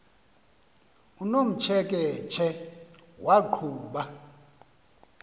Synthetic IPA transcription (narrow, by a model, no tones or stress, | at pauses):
unom̩t͡ʃʰɛk̬ʼɛt͡ʃʰɛwʔaǃʰuːɓa